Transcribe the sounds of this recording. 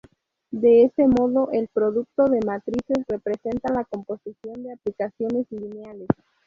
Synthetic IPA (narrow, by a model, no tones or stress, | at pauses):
d̪e̞esemo̞ðo̞ʔelpɾo̞ðuk̚t̪o̞ðe̞mat̪ɾise̞sre̞pɾe̞se̞nt̪alako̞mpo̞sisjo̞nd̪eaplikasjo̞ne̞slinjales